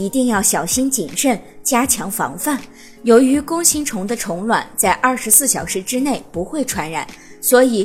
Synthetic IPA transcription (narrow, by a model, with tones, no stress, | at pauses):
i˧˥t̪i˥˧ŋjɑ˥˩ʊɕjɑ˨˩ʊɕi˥nt͡ɕi˨˩nʂə˥˩nt͡ɕja˥t͡ɕʰjɑ˧˥ŋfɑ̰˧˥ŋfa˥˩n | jo˧˥ʊy˧˥kʊ˥ŋɕi˥nʈ͡ʂʰʊ˧˥ŋd̪ə˧ʈ͡ʂʰʊ˧˥ŋlwa̰˨˩nt͡sa˥˧ɪʔɐ˥˩ʂɻ̩˧˥sɹ̩˥˩ɕjɑ˨˩ʊʂɻ̩˧˥ʈ͡ʂɻ̩˥ne˥˩ɪpu˧˥xwe˥˩ɪʈ͡ʂʰwa˧˥nɻa̰˨˩˦n | swɔ˧˥i˨˩